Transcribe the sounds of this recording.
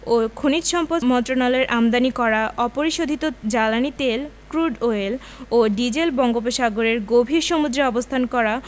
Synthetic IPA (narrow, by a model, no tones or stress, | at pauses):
okʰonit̪ʃɔmpomɔnt̪ɾonaleɾʔamd̪anikɔɾaʔɔpoɾiʃod̪ʱit̪od͡ʑalanit̪elkɾuɖoel | oɖid͡ʑelbɔŋɡopeʃaɡoɾeɾɡobʱiɾʃomud̪ɾeɔbost̪ʰankɔɾa